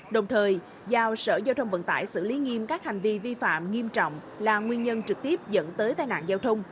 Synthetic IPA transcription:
ɗə˨˩wŋ͡mt̪ʰəː˨˩j | zaː˨˩wsə̰ː˧˩zaː˧wt̪ʰə˧wŋ͡mvə̰˧˨nt̪a̰ː˧˩˨jsɨ̰˧˨li˨˦ŋi˧əmkaː˦˥k̚ha˨˩jŋ̟vi˧vi˧fa̰ː˧˨mŋi˧əmt͡ɕɔ̰˧˨wŋ͡m | laː˨˩ŋwi˧ənɲə˧nt͡ɕɨ˨˩k̚t̪i˦˥əp̚zə̰˧˥nt̪əː˨˦jt̪aː˧jna̰ː˧˨nzaː˧wt̪ʰə˧wŋ͡m

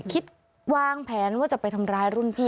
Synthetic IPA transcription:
kʰi˨˦˥t̪̚ | waː˧ŋpʰɛː˩˦nwaː˥˩t͡ɕa˨˩pːa˧jt̪ʰa˧mɾaː˧jɾu˥˩npʰiː˥˩

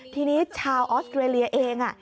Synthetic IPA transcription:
t̪ʰiː˧niː˦˥t͡ɕʰaː˧wʔɔː˦˥st̪ɾeː˧li˧ɐʔeː˧ŋʔa˥˩

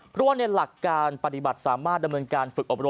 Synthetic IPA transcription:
pʰɾɔ˦˥waː˥˩na˧jla˨˩kːaː˧npa˧˩t̪i˨˩ba˨˩t̪̚saː˩˦maː˥˩t̪̚da˧mnɤː˧nkaː˧nfɯ˨˩k̚ʔo˨˩p̚ɾo˧

